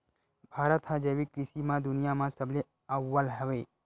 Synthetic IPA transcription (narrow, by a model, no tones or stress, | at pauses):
b̥ʱaːɾət̪ɦad͡ʒeʋikɾiʃimãd̪ʊnijamãsəble | əʋːalɦəʋe